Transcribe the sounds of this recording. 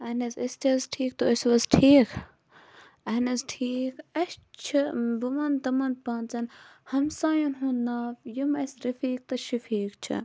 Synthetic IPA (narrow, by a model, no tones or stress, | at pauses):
ɐnɐzist̪ʰɐzʈʰiːk̚t̪oɐsʋɐzʈʰiːk | ɐɦnɐzʈʰiːkɐst͡ʃʰibumɐnt̪ɐmɐnpãːnt͡sɐnhɐmsaːjunɦũnnːaːfjimɐsɾifiːk̚t̪ɐʃifiːkt͡ʃʰḭ